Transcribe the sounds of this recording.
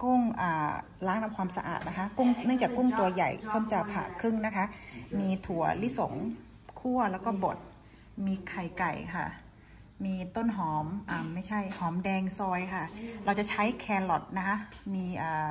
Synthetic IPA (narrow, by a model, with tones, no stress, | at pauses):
ku˥˩ŋʔaː˨˩ | laː˧˦˥ŋna˧˥mkʰwaː˧msa˧ʔa̰ː˨˩t̪̚na˦˥kʰa˦˧˥ku˥˩˨ŋnɯ˥˩˨ŋt͡ɕaː˨˩kːu˥˩ŋt̪u˧ɐja̰˨˩jso˧˥˩mt͡ɕa˧˩pʰa̰ː˨˩kʰɯ˥˩˨ŋna˦˥kʰa˦˥miː˧t̪ʰu˩˦ɐli˦˥so̰˨˩˦ŋ | kʰu˥˩ɐlɛː˦˥wkɔː˧˥˩bo˨˩t̪̚ | miː˧kʰa˨˩jka̰˨˩jkʰa̰˥˩ | miː˧t̪o˥˩˨nɦɔː˩˦mʔaː˨˩mːa˥˩jt͡ɕʰa˥˩jhɔː˩˦mdɛː˧ŋsɔː˧jkʰa˧˥˩ɾa˧wt͡ɕa˨˩t͡ɕʰa˦˥jkʰɛː˧nlɔ˨˩t̪̚na˦˥kʰa˦˥miː˧ʔaː˨˩